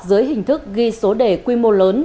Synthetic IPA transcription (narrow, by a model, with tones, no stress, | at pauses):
zɨ˨˦əjɦï˨˩ŋ̟t̪ʰɨ˦˥k̚ɣi˧so˨˦ɗe˧˩kwi˧mo˧ləː˨˦n